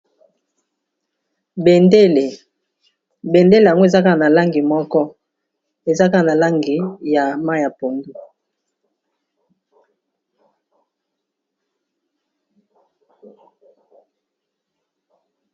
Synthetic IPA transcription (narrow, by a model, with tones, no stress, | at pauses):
be˨nde˦le˨ | be˨nde˦le˨ja˨ŋɡo˦e˨za˦ka˦˨na˨la˦ŋɡi˨mɔ˦kɔ˦ | e˨za˦ka˦˨na˨la˦ŋɡi˨ja˨ma˦˨ja˨po˨ndu˦